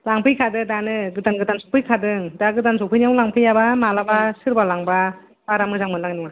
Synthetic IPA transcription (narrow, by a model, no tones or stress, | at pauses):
laŋpʰɯjkʰadɯdanɯɡɯtanɡɯtansɔpʰɯjkʰadɯŋdaɡɯtansɔpʰɯjniawlaŋpʰɯjabamalabasɯɾbalaŋba | baɾamɯzaŋmɯlaŋnuŋa